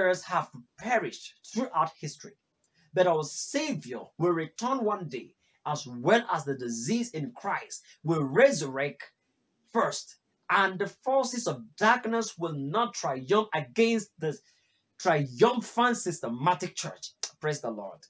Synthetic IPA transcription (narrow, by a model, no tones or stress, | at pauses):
zhəv̥pʰɛɹɪʃtθɹuʔaʊt̚hɪstɹ̥i | bɨɾawəseɪvjə̰˞wɪlˠɹitʰɜ̃nwʌ̃ndeɪ | ʔəzwɛlˠəzðədɪzizɪ̃nkʰɹ̥aɪst | wɪlˠɹɛzəɹɛk̚t | fɜ˞st | ə̃nðəfɔɹsɪzɔvdaɹknəswɪlˠnɔtʰɹ̥aʌ̃mpəɡɛ̃nstðə | tʰɹ̥aɪʌ̃ɱfãnsɪstəmatɪk̚t͡ʃʰɜ̰˞t͡ʃpʰɹ̥esðəlɔ̰ɹd̥